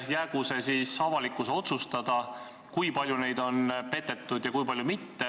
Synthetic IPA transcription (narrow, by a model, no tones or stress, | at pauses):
jæːɡ̥use̞siːsɑvɑlikːˑuseo̞t̪sust̪ɑd̪̥ɑ | kujpɑlʲjune̞jd̪̥o̞npe̞t̪ːe̞t̪ːud̪̥jɑkujpɑlʲjumit̪ːe̞